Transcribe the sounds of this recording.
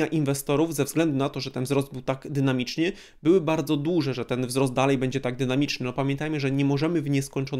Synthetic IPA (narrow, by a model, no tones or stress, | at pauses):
aʔinvɛst̪ɔɾuvzɛvzɡlɛnd̪unat̪ɔʐɛt̪ɛnvzɾɔsd̪̚bɘwt̪aɡd̪ɘnamʲit͡ʂɲɘ | bɘwɘbaɾd̪zɔd̪wuʐɛʐɛt̪ɛnvzɾɔsd̪d̪alɛjbɛɲd͡ʑɛt̪aɡ̚d̪ɘnamʲit͡ʂnɘnɔpamʲjɛnt̪ajmɘʐɛɲɛmɔʐɛmɘvɲɛskɔɲt͡ʂɔn